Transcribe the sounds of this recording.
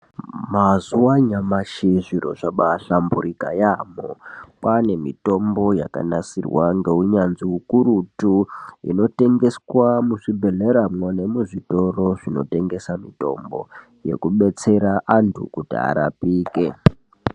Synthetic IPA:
mazuwaɲamaʃiʐiɾo̞̰ʐaɓaɬambuɾika̰jaːmopane̞mito̞mbo̞ja̰ka̰nasirwaŋɡeuɲanziukuɾutuḭno̞te̞ŋɡe̞swamuʐibʱe̞ɮe̞ɾamwone̞muʐito̞ro̞ʐ̥ino̞̰te̞ŋɡe̞samito̞̰mbo̞ | je̞̰kuɓe̞t͡se̞ɾaʔantʰṵkutia̰ɾa̰piːke

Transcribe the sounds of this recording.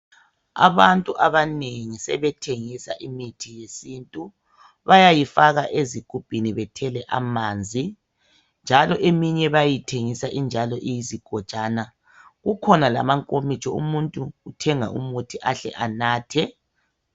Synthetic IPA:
a̰βantʼuʔaβaneŋisɛβɛtʰeŋisa̰ʔimitʰijesintʼu | βajajifaɣaʔeziɡ̥ʱub̥̚ʼʱiniβɛtʰɛlɛʔa̰mand͡zʱi | nd͡ʒʱalɔʔemiɲɛβajitʰeŋisaʔind͡ʒʱalɔʔijiziɡ̥ʱɔ̥t͡ʃʼaːna | ɣukʰɔnala̰maŋkʼomit͡ʃʰʼɔumuntʼuːtʰɛŋa̰ʔumutʰiʔaɬɛ̰ʔanaːtʰɛ

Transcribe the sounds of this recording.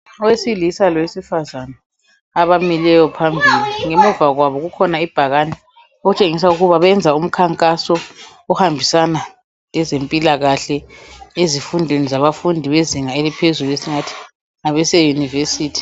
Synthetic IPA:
ɔwesilisalɔwesifazanaː | βamilɛjɔpʰambʱiliŋemuvaɣwaβɔɣukʰɔnaib̥ʱaɣanɛ | out͡ʃʼeŋis̬auɣuβaβɛnd͡zʱaum̩kʰaŋkʼasɔ | ɔhambʱisana | ɛzempʼilaɣaɬɛezifundʱwenizaβafundʱiβeziŋaelipʰezuluesiŋatʰi̥ | ŋaβɛsejunivesiːtʰi̥

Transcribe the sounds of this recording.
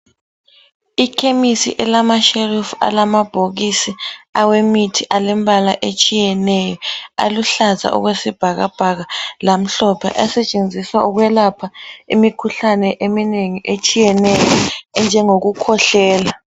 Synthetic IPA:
ikʰemisḭʔɛlamaʃerifa̰lamab̥ʱoɣisiawemitʰiʔalɛm̩bala̰ʔet͡ʃʼijɛnɛjɔa̰luɬaza̰ʔṵɣwesib̥ʱaɣa̰b̥ʱaɣalam̩ɬɔpʰɛ̰ʔɛsɛt͡ʃʼend͡zʱiswauɣwɛlapʰaimikʰuɬanɛʔemineŋiʔet͡ʃʼijɛnɛjɔnd͡ʒʱɛŋoɣukʰɔɬɛːla

